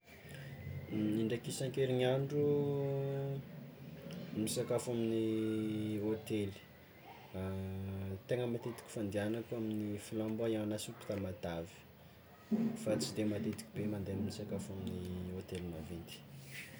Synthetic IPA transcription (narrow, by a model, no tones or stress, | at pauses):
niɳɖ͡ʐakisaŋkeɾiɲaɳɖ͡ʐu | misakafamini | ot̪eli̥ | t̪eŋəmat̪et̪i̥kʲi̥fand̪ianakaminifilambaaanasupi̥t̪amad̪avi̥ | fat͡sid̪emat̪et̪i̥kʲibemand̪enimisakafaminiot̪elimavint̪i̥